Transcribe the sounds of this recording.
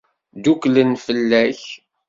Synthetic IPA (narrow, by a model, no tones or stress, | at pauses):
d̪uklənfəlːæç